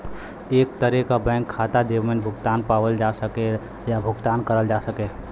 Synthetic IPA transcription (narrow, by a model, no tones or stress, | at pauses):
eːkt̪əɾekabɛ̃ːŋkʰːaːt̪ad̪ewmenbʱʊɡt̪aːnpaːwəld͡ʒasəke | jabʱʊɡt̪aːnkəɾəld͡ʒasəkeː